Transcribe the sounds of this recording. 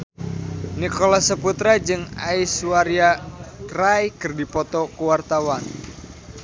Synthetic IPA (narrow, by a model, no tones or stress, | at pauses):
nikɔlasəput̪ɾad͡ʒɨŋaisuwaɾjakrajkɨrdipɔt̪ɔkuwart̪awan